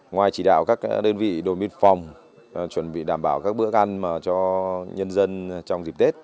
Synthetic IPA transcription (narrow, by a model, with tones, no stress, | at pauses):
ŋwaː˨˩jt͡ɕi˧˩ɗa̰ː˧˨wkaː˦˥k̚ɗəː˧nvḭ˧˨ɗo˨˩jmi˧nfɔ˨˩wŋ͡m | t͡ɕwə˨˧˩nɓḭ˧˨ɗaː˧˩mɓaː˧˩wkaː˦˥k̚ɓɨ˧˦˥ək̚ʔa˧nmaː˨˩t͡ɕɔ˧ɲə˧nzə˧nt͡ɕɔ˧wŋ͡mzi˨˩p̚t̪e˦˥t̚